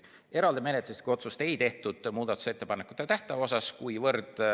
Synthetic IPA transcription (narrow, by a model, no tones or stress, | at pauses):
e̞ɾɑld̪eme̞net̪ːˑlust̪̚kuijo̞t̪sust̪e̞jt̪e̞ht̪ud̪̥muːd̪̥ɑt̪ːˑu̥se̞t̪ːe̞pɑnekːˑu̥t̪ːˑet̪æht̪ɑo̞s̬ɑskujvɤrd̪̥